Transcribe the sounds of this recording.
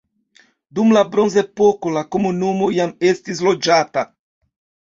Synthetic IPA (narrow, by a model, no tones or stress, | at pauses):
d̪umlabɾonzepokolakomunumojamest̪izlod͡ʒat̪a